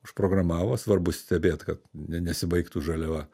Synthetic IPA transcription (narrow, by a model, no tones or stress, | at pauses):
ʊʃpɾoːɡrɐmɑːʋoːsʋɐrbʊsʲsʲt̪ʲɛbʲeːt̪kɐt̪nʲɛnʲɛsʲɪbɐɪkt̪uʒɐlʲɛɐ